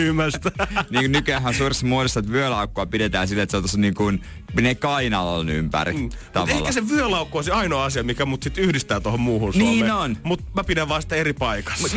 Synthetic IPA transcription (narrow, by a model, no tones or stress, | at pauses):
ymæst̪æniːkunnykyæhænsuːresːɑmuodist̪ɑt̪ʋyølɑukːoɑpidet̪æːnsilːet̪seot̪osniːŋkun | minekɑinɑlɑ̰lny̰mpæ̰rit̪ɑut̪ehkæseʋyølɑukːoɑsiɑinoːɑsiɑmikæmut̪sit̪yhdist̪æːt̪ohommuːhunsnioːmenonmut̪mæpidæʋʋɑːnsi̥t̪ːæeripɑikɑ̥st̪